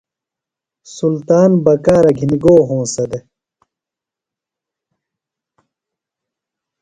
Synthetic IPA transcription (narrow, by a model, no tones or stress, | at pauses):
sult̪aːnbɐkaːɾɐɡʱiniɡoːɦõːsɐd̪e